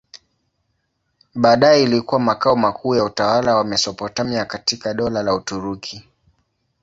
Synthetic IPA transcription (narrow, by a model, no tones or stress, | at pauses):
ɓaːɗajɛilikuwamakaɔmakʰuːjautawalawamɛsɔpɔtamiakatikaɗɔlalautuɾukʰi